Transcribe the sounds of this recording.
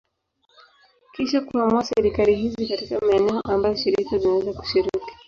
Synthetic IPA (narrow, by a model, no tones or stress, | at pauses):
kiʃakuhamuasɛɾikaliɦizikatikamaɛnɛɔʔambajɔʃiɾikazinawɛzaku̥ʃiɾiki̥